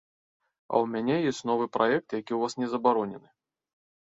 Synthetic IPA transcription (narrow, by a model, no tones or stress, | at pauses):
ɐ̰wmʲanʲɛjesʲtʲnɔvɨpɾaɛk̚t̪jakʲiwvasnʲɛzɐbaɾɔnʲɛnɨ